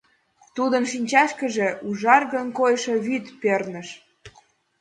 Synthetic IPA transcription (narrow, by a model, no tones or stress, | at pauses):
t̪ud̪ənʃinʲt͡ɕɑʃkə̆ʒe̽uʒɑrɣənkojʃɤ̽βyt̪pernə̆ʃ